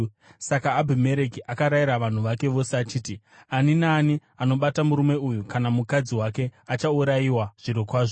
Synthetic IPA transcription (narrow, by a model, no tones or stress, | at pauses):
sakaːbʱime̞ɾekiʔakaɾaiɾaʋan̤uʋake̞ʋo̞seat͡ʃiːti | aninaːni | ano̞ɓatamuɾume̞ujukanamukad͡ziwake̞at͡ʃauɾajiwaʐ̥iɾokwaːʐo